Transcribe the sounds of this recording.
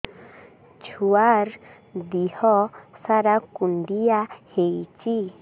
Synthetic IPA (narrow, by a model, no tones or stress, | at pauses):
t͡ʃʰuaɾ | d̪ihɔsaɾakuɳɖijahejt͡ʃi